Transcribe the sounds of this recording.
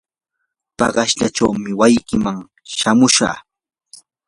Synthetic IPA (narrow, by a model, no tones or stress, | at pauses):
pɑ̰ɢɑʃʎaʈ͡ʂawmɪwajkɪmaŋ | ʃamʊʃa̰ː